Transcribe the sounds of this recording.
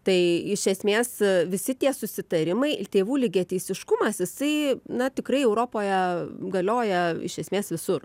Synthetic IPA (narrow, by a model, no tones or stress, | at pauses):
t̪ɐɪɪʃʲɛsʲmʲeːsʋʲɪsʲɪt̪ʲiɛsʊsʲɪt̪ɐɾʲɪmɐɪt̪ʲeːʋuːlʲɪɡʲeːt̪ʲɛɪsʲɪʃkʊmɐsjɪsɐɪnɐt̪ʲɪkɾɐɪɛʊɾoːpoːjɛɡɐlʲoːjɛɪ̰ʃʲɛsmʲeːsʋʲɪsʊr